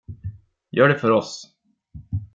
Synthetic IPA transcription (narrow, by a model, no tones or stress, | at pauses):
jœːɖɛfœɾɔs